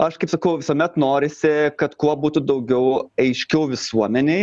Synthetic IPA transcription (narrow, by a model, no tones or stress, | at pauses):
ɐʃkɐɪpsɐkɐʊʋʲɪsuɔmʲɛt̪noːɾʲɪsʲɪkɐt̪kuɔbuːt̪ʊd̪ɐʊɡʲɛʊɐɪʃʲkʲɛʊʋʲɪsuɔmʲɛnʲe